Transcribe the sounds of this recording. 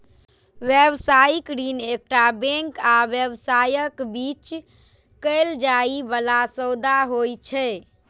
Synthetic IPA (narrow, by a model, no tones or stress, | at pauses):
ʋjebsaikɾinek̚ʈabẽŋkaʋjəbsajəkbit͡ʃ | kəɪld͡ʒaibəlasəwd̪aɦojt͡ʃʰɛ